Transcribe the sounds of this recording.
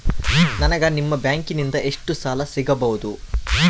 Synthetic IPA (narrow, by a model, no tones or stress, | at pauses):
nɐnɐɡɐnimːɐbjaːŋkinind̪ɐʔe̞ʂʈusaːlɐsiɡɐbɐʋud̪u